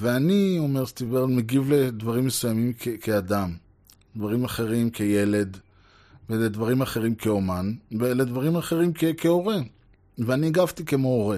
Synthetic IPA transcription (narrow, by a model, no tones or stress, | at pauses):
veanio̞me̞ʁst̪iveʁlmeɡivled̪vaʁimːesujamimkekʰead̪am | d̪vaʁimaχe̞ʁimkʰeje̞le̞d̪ | veled̪vaʁimaχe̞ʁimkʰeomanveled̪vaʁimaχe̞ʁimkekʰeo̞ʁe | veaniaɡaft̪ikemooʁe